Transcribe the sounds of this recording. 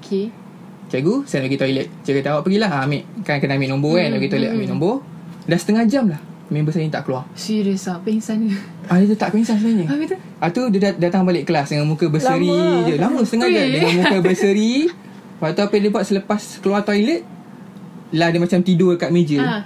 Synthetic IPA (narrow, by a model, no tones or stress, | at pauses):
okʰe | t͡ʃaɡusɛnbəɡit̪ɔilət̪̚t͡ʃaɡət̪awaʔpəɡilaɦaːmɪʔkankənaamɪʔnɔmboanbəɡit̪ɔlət̪̚amɪʔnɔ̃mbo | dansə̥t̪əŋahd͡ʒamlah | mĩbəsəɾiɲt̪a̰ʔkəluwasiɾəsapɛŋsanu | adət̪ut̪aʔkəpɛŋsans̬ənaɲəit̪u | at̪udəadat̪aŋbalɪʔkəlasdəŋamukəbəəɾid͡ʒəlambusət̪əŋad͡ʒadəŋamũkkəbəsəɾi | pat̪uapədibuat̪̚sələpaskəluat̪ojlət̪̚ | lahdəmat͡ʃamt̪idokat̪̚med͡ʒə